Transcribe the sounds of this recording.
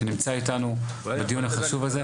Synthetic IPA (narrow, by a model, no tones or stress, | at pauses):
enimt͡saitanu | bedijunaχaʃuvaze